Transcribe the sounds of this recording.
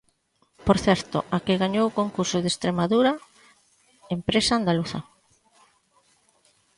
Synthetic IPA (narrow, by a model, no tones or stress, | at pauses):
poɾθɛɾt̪ʊ̰ʔakɪɣaɲowkoŋkuɾsʊðest̪ɾemaðuɾɐ | empɾesaːnd̪aluθɐ̰